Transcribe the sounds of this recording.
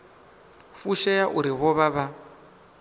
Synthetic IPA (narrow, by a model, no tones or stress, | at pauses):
fuʃɛjaʔuɾiβɔβaβa